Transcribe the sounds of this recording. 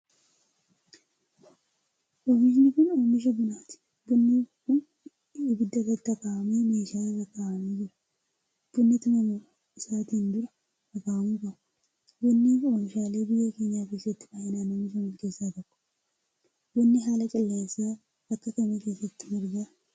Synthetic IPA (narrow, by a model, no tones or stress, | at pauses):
ʔomɪʃ̬nɪkʊnoːmɪʃ̬ɐbʊnaːt̪ɪ̥ | bʊnːɪkʊn | ɪbɪd̪ːɐkɐt̪ːɐkʼaɐmeːmeːʃaːleːbɐkʼːaɐmiːd͡ʒɪɾɐ̥ | b̥ʊnːɛt̪ʊmɐm | ɪsaːt̪iːnd̪ʊɾɐ | ɐkʼaːmukɐ | bɔnːɛoːmɪʃaːleːbɪjɐkeːɲːaːkeːsːɐt̪ːɪ̥fɐhɪnaːnoːmɪʃ̬ɐmʊnkeːsːaːt̪ɐkːɔ̥ | bɔnːɪɦaːlɐkʼɐlːesa | ɐkːɐkɐmɛke̞ːsːɐt̪ːɪ̥mɔɾɡa